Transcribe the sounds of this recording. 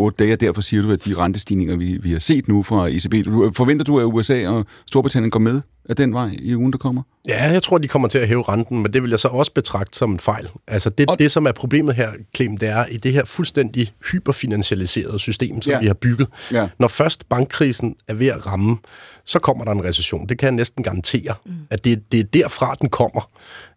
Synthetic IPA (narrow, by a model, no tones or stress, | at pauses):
ɔːd̥əd̥ɛɪæd̥æɐ̰fɒ̽siːɐɾ̥uæd̥iʁɑ̈nd̥əsd̥ḭːne̝ŋɐʋiʋihɑ̈se̝̰ːd̥nufʁɑ̈eseb̥e̝̰̥ːfɒ̽ʋen̰d̥ɐd̥uæuesɛ̰ːɒ̽ | sd̥o̝ɐb̥ʁit͡sʰæn̰jənɡ̥ɒmeð̞ˠ | æd̥enʋɑ̈ɪ̰iuːn̩d̥ɑ̈kʰɒ̽m̰ɐ | jæjaɪt͡sʰʁo̝ɐ̰d̥ikʰɒ̽m̰ɐt͡sʰe̝æɦɛːʊʁɑ̈nd̥n̩mend̥e̝ʋe̝ljɑ̈ɪsɒ̽ɒ̽sə̥b̥e̝t͡sʰʁɑ̈ɡ̥̚d̥ə̥sɒ̽menfɑ̈ɪ̰lʔælsəd̥e̝d̥e̝sɒ̽mæɐpʰʁo̝b̥le̝̰ːmð̞̩ˠɦæɐ̰kʰlḛːm̩d̥e̝æɐʔid̥e̝ɦeɐ̰fulsd̥en̰d̥ihyːb̥ɐfinænɕiælise̝̰ːɐð̞̩ˠsysd̥e̝̰ːmsɒ̽mʋihɑ̈b̥yɡ̥ð̞̩ˠnɒfɶɐsd̥b̥ɑ̈ŋɡ̥̚ʰʁiːsn̩æɐʋe̝æʁɑ̈məsɒ̽kʰɒ̽m̰ɐɾɑ̈e̝nʁɛseɕo̰ːnd̥e̝kʰæjɑnesd̥n̩ɡ̥ɑ̈ʁɑ̈nt͡sʰe̝̰ːɐæd̥e̝d̥e̝d̥æɐ̰fʁɑ̈d̥enkʰɒ̽m̰ɐ